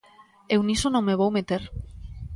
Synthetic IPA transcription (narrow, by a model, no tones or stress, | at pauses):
ewnisonõŋmeβ̞owmet̪eɾ